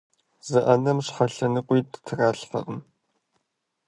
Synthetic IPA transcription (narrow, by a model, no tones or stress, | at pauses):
z̥ɨʔɐnɐmɕχɐɬɐnɨqʷiːttʰɨraːɬfɐ̰ʔəm